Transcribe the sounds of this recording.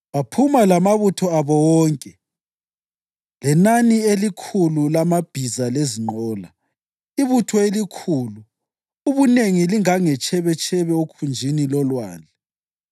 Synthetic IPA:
βapʰumalamaβutʰɔaβɔwɔːŋkʼɛ | lɛnanielikʰululamab̥ʱizaleziŋ͡ǃɔːla | iβutʰɔelikʰuːluː | βuneŋiliŋaŋɛt͡ʃʰɛβɛt͡ʃʰʼɛβɛokʰund͡ʒʱinilɔlwa̰ːnd͡ɮʱɛ

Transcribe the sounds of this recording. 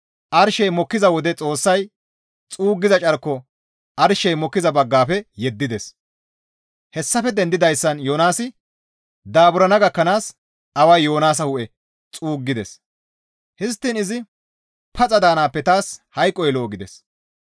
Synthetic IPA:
ʔɐɾʃɛjmɔkːɪzɐwɔd̪ɛt͡sʼo̞ːsːɐj | t͡sʼuːɡːɪzɐt͡ʃʼɐɾkːɔ | ʔɐɾʃɛjmɔkːɪzɐbɐɡːaːfɛjɛd̪ːɪd̪ɛs | hɛsːɐfɛd̪ɛnd̪ɪd̪ɐjsːɐnjo̞ːnaːsɪ | d̪aːbʊɾɐnɐɡɐkːɐnaːs | ɐwɐjːo̞ːnaːs̬ɐhʊʔɛ | t͡sʼuːɡːɪd̪ɛs | hɪs̬t̪ːɪnɪzɪ | pʰɐt͡sʼɐd̪aːnaːpːɛt̪aːshɐjkʼːɔjlo̞ːɡɪd̪ɛs

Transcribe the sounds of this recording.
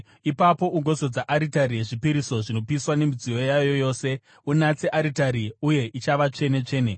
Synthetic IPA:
ipapo̞ʔuŋɡo̞zo̞d͡zaʔaɾitaɾije̞ʐipiɾiso̞ʐino̞piswane̞mid͡zijo̞jajo̞jo̞ːse̞ | unat͡se̞ʔaɾitaɾiuje̞ʔit͡ʃaʋat͡ʂe̞ne̞t͡ʂe̞ːne

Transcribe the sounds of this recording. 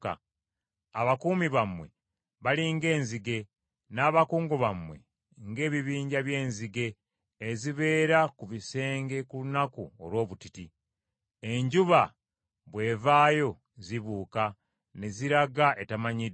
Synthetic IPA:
a̰ | aβakuːmiβamwe̞̰ | βaliŋɡe̞ːnziɡe̞ | naːβakuːŋɡoβamwe̞̰ | ŋɡe̞ːβiβiːɲɟaβje̞ːnziɡe̞ː | ziβe̞ːɾakuβise̞ːŋɡe̞kulunakuo̰lwo̞ːβutiti | e̞ɲɟuβa | βwe̞ːvaːjo̞ | ziβuːka | neziɾaɡaʔe̞tamaɲi

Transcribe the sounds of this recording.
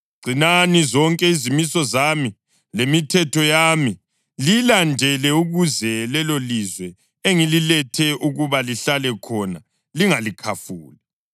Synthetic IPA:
ɡ͡ǀʱinanizɔŋkʼɛizimisɔzami | lemitʰɛtʰɔjami | lilandʱɛlɛuɣuzɛlɛlolizwɛ | eŋililɛtʰɛʔuɣuβaliɬalɛkʰɔna | liŋalikʰafuːlɛ

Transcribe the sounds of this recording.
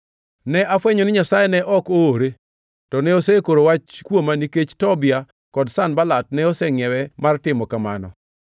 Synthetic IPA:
nɛʔafwɛɲonɪɲasajɛnɛʔɔkooɾe | tɔnɛosɛkoɾowat͡ʃkwomaniket͡ʃtɔbɪa | kɔdsanbalat̚nɛɔsɛŋɛwɛmartɪmɔkamanɔ̰

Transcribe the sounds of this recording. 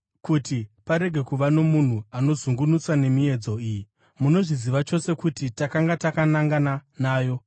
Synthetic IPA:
kutipaɾe̞ɡʱe̞kuʋano̞mun̤uano̞zuŋɡunusane̞mie̞d͡zo̞iji | muno̞ʐiziʋat͡ʃo̞se̞kutitakaŋɡatakanaŋɡananaːjo̞

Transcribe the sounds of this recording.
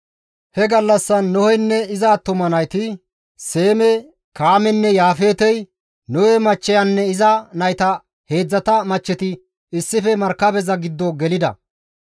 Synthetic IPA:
hɛɡɐlːɐsːɐnːʊhɔjnːɛɪzɐt̪ːʊmɐnɐjt̪ɪ | se̞ːmɛ | kaːmɛnːɛjaːfe̞ːt̪ɛj | nɔhɛmɐt͡ʃːɛjɐnːɛɪzɐnɐjt̪ɐ | he̞ːd͡zːɐt̪ɐmɐt͡ʃːɛt̪ɪ | ɪsːɪfɛmɐɾkːɐbɛzɐɡɪd̪ːɔɡɛlɪd̪ɐ̰

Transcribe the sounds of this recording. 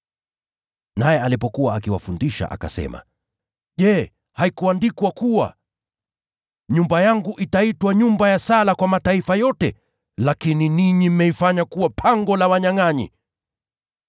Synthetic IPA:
najɛalipɔkuwaakiwa̰fundiʃa̰ʔa̰ka̰sɛ̰ma̰ | ʄɛ | haikuandikwakuwa̰ | ɲumbajaŋɡuʔitaitwaɲumbajasalakwamataifajɔtɛ | lakininiɲim̩mɛifaɲakuwapʰaŋɡɔlawaɲaŋaɲḭ

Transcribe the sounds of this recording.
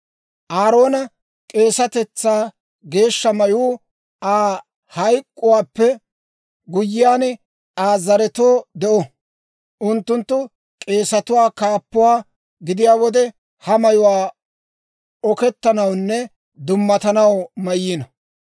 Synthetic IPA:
ʔaːɾo̞ːnɐ | kʼe̞ːsɐt̪ɛt͡sːaː | ɡe̞ːʃːɐmɐjuː | aː | hɐjkʼːʊwaːpːɛ | ɡʊjːɪjaːnɛ | aːzɐɾɛt̪oːd̪ɛʔɔ | ʔʊnt̪ːʊnt̪ːʊ | kʼe̞ːsɐt̪ʊwaːkaːpːʊwaː | ɡɪd̪ɪjaːwɔd̪ɛ | hɐmɐjʊwaː | ɔkɛt̪ːɐnɐwnːɛ | d̪ʊmːɐt̪ɐnɐwmɐjːinɐ

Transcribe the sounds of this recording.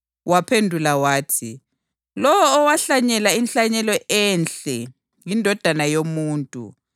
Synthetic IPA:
wapʰendʱulawaːtʰḭ | lɔwɔːwaɬaɲɛlainɬaɲɛlɔʔɛnt͡ɬɛ | jindʱɔd̥ʱanajomuːntʼṵ

